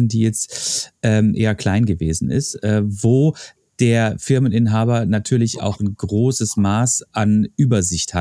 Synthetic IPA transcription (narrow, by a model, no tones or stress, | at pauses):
nd̥iːjɛt͡stʔɛːmʔḛːɐkl̥aɪnɡəvḛːzn̩ʔɪ̰stʔɛːvoː | d̥eːɐfɪɐmənɪnɦaːbɐnatʰyːɐlɪça̰ʊxnɡʁoːsəsmaːsʔanʔyːbɐzɪçtha